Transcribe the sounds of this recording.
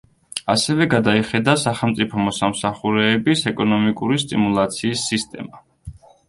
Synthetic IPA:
asɛvɛɡad̪aiχɛd̪asaχɛlˠmt̪sʼipʰɔmɔsamsaχuɾɛːbisɛkʼɔnɔmikʼuɾist̪ʼḭmulˠat̪sʰiːsːist̪ʼɛ̰ma

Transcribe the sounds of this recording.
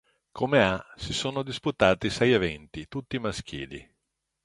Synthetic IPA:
kʰomeasisoːnod̪isput̪aːt̪isɛjevɛnt̪it̪ut̪ːimask̟ḭːlḭ

